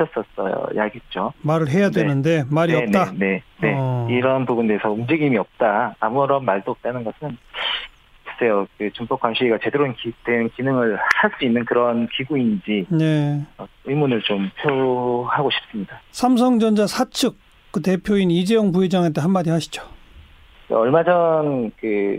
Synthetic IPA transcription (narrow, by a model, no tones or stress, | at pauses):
ʌs͈ʌs͈ʌ̰jaɡiɦet̚t͡ɕ͈omaɾɯɭɦe̞jadwenɯnde̞maɾiʌpt͈ane̞ne̞iɾʌnpubundesʰʌund͡ʑiɡimiʌp̚t͈aːmuɾʌnmaɭdoːp̚t͈anɯnɡʌsʰɯnʰ | ʌs͈ʰejokɯt͡ɕɯmpʰok͈wanɕʰiiɡat͡ɕe̞dɯɾonkitweɯnkinɯŋɯɭsʰaɭs͈uinːɯnkɯɾʌnkiɡuind͡ʑine̞ʌɯɭmunɯɭt͡ɕompʰjohaɡoɕʰi̥p̚s͈ɯmɲidasʰams̬ʰʌŋd͡ʑʌnd͡ʑasʰat͡ɕʰɯk̚ | k͈ɯte̞pʰjoinid͡ʑejʌŋpuɦed͡ʑʌŋetoɦanmaɾihaɕʰi̥d͡ʑo | ḛʌɭmad͡ʑʌnkɯ